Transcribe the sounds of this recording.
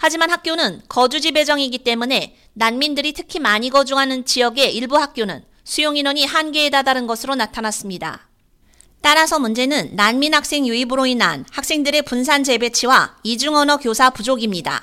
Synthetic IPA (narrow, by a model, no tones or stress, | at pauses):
had͡ʑimanɦak͈̚jonɯnkʌd͡ʑud͡ʑibe̞d͡ʑʌŋiɡit͈e̞mune̞ | nanmindɯɾitʰɯ̥kʰimaɲiɡʌd͡ʑuŋɦanɯnt͡ɕijʌɡe̞ʔiɭbuɦak̚k͈jonɯ̰n | sʰujoŋinwʌɲihanɡe̞ːdadaɾɯnɡʌsʰɯɾonatʰanas͈ɯmɲida̰ | t͈aɾasʰʌmund͡ʑe̞nɯnːanminhak̚s͈e̞ŋjuibɯɾoina̰nhak̚s͈e̞ŋdɯɾe̞puns̬ʰand͡ʑe̞be̞t͡ɕʰiwaid͡ʑuŋʌnʌkjosʰapud͡ʑoɡimɲida̰